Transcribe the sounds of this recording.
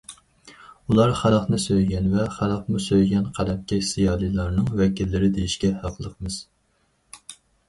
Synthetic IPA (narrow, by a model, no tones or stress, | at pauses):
ulˠɑɾχæɾɑχnɨsøjɡʲɛnvɛχælɑχmusøjɡʲɛnqʰæd̪ɛp̚kʲɛsijɑːlˠijlˠɑɾnɨŋvɛkʲilːɪɾɪd̪ejiʃɡʲɛhɑqʰlˠəqmɨz̥